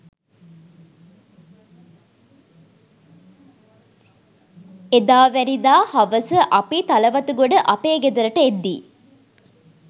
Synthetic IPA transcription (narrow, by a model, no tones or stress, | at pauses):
ed̪aːʋænid̪aːhɐʋəsəʔɐpit̪ɐlɐʋɐt̪uɡoɖəʔɐpeːɡed̪ɐɾəʈəed̪ːiː